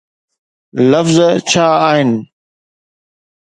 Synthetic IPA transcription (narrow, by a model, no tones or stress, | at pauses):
ləfzt͡ɕʰaːaːɦɪnɪ